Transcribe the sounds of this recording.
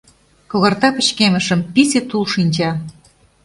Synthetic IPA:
koɣɤ̆rt̪ɑpə̆t͡ɕkemə̆ʃə̆mpisʲet̪ulʃinʲt͡ɕɑ

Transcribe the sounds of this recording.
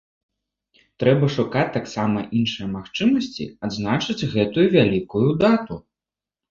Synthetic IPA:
t̪ɾɛbɐʂukat͡sʲt̪ːaksamɐʔinʂɨjɐmaxt͡ʂɨmɐsʲt͡sʲḭad̪znat͡ʂɨd͡zʲɣɛt̪ujuvʲalʲikujud̪at̪u

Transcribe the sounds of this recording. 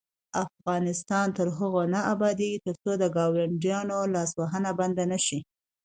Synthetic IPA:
afɣɑnɪst̪ɑnt̪əɾɦəɣonaabɑd̪eɡit̪əɾt͡sod̪əɡɑwaɳɖjɑnolɑswaɦənaband̪anaʃi

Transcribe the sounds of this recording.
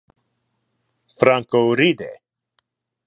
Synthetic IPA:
fɾãŋkoɾid̪ḛ

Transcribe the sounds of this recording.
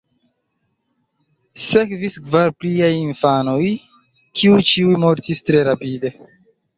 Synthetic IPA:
se̞kviskvaɾpliajinfano̞j | kʰiujt͡ʃiujmo̞ɾtistɾe̞ɾapide̞

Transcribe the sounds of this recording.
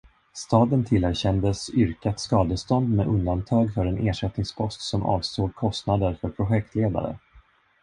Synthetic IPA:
st̪ɑːd̪ənt̪ʰɪlæɾɕɛnd̪əsʏɾkat̪skɑːd̪əst̪ɔnd̪mɛʔɵnd̪ant̪ʰɑːɡfœɾɛnʔeːʂɛt̪nɪŋspʰɔst̪sɔmʔɑ̰ːvst̪oːɡ̚kʰɔst̪nad̪əɾfœɾpʰɾʊɧɛk̚t̪ʰleːd̪a̰ɾə̰

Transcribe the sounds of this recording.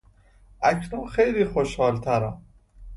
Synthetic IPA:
ʔæcʰnunxejliːxoʃhɒːlt̪ʰæɾæm

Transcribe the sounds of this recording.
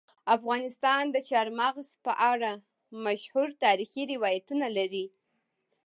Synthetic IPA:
afɣɑnɪst̪ɑnd̪ət͡ʃɑɾmaɣzpəʔaɽa | maʃhuɾt̪ɑɾixiɾɪwɑjat̪unalaɾi

